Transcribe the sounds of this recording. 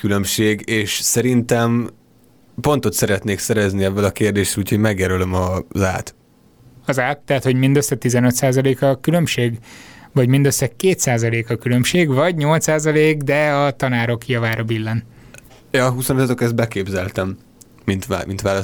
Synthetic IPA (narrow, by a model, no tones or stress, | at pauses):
kylømʃeːɡeːʃsɛɾint̪ɛm | po̞nt̪o̞t̪sɛɾɛt̪neːksɛɾɛzniɛvːɛlɒkeːrd̪eːʃɛluːcʰhoɟmɛɡjɛɾølømɒza̰ːt̪ | ɒzaːt̪̚t̪ɛɦæt̪ho̞ɟmind̪øsːɛt̪izɛnø̞t̪saːzɒleːkɒkylømʃeːɡʋɒɟmind̪øsːɛkeːt̪saːzɒleːkɒkylø̞mʃeːɡvɒɟɲo̞lt̪saːzɒleːɡd̪ɛɒt̪ɒnaːɾo̞kijɒvaːɾɒbilːɛn | jɒɦusonit̪ɔt̪okɛst̪̚bɛkeːbzɛlt̪ɛmː | int̪mḭnt̪ʋaːlɒ